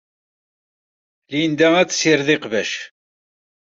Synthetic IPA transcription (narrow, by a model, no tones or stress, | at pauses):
lind̪ææt͡sːə̥siɾðiqvæʃ